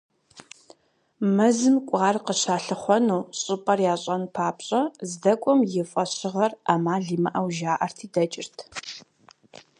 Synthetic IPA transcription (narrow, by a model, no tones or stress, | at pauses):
mɐzɨmkʷʼaːrqəɕaːɬɨχʷɔnuːɕʼɪpʼɐrjaːɕʼɐnpʰaːpɕʼɐzdɐkʷʼɔmjɪfʼɐɕɪʁɐramaːɮiːmɐʔɐwʒaːʔɐrtʰiːdɐt͡ʃʼɪrtʰ